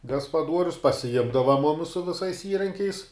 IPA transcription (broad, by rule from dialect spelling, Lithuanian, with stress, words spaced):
ɡɐspɐˈduɔrʲʊs pɐsʲɪˈjɪmdɐʋɐ ˈmʊmʲɪs sʊ ʋʲɪˈsɐɪs ˈiːrɐŋʲkʲɛɪs